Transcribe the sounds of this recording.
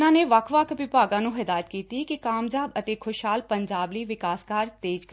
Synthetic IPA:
nãːneːʋakʰʋakʋɪpaːɡãːnũːɦɛd̪aːjət̪kiːt̪ikikaːmd͡ʒaːbət̪eːkʰʊʃɦaːlpəɲd͡ʒaːbliːʋɪkaːskaːɾt̪eːd͡ʒk

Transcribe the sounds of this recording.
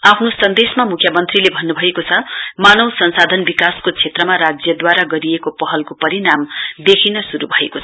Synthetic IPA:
apʰnosʌnd̪esmamukʰjʌmʌnt̪rilebʱʌnːubʱʌekot͡sʰʌmanʌwsʌnsad̪ʱʌnbikaskot͡sʰet̪rʌmaɾad͡zjʌd̪waɾaɡʌɾijekopʌɦʌlkopʌɾinamd̪ekʰinʌsuɾubʱʌḛkoʌ

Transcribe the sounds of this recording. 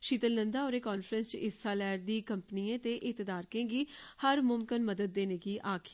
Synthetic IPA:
ʃiːt̪əlnənd̪aːɔːɾeːkoːnfʰɾənst͡ʃɪsːaːlɛːɾd̪iːkəmpniːẽːt̪eːʔɪt̪əd̪aːɾkẽːɡiːhəɾmʊmkənməd̪əd̪̚ːeːneːkiːʔaːkʰ

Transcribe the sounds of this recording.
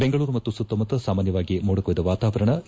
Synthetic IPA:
beŋɡɐɭuːɾumɐt̪ːusut̪ːomɐt̪ɐsaːmaːnjɐʋaːɡimoːɽɐkojd̪ɐʋaːt̪aːʋɐɾɐɳɐ

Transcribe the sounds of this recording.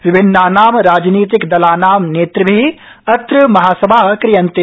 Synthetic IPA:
ʋɪbʱɪnːaːnaːmɾaːd͡ʒniːt̪̬ikd̪ɐlaːnaːmneːt̪ɾbʱi | ɐt̪ɾɨmɐɦaːsɐbʱakɾijɐnt̪e

